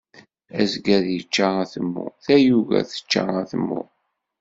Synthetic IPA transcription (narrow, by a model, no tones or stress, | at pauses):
æzɡæðjət͡ʃːaʁæθəmːʊ̰θæjuʝæ̰θə̥t͡ʃːa̰ʁæθəmːʊ̰